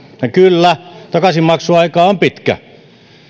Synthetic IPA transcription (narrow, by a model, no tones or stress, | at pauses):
jɑkylːæt̪ɑkɑsimmɑksuɑikɑːompit̪kæ̰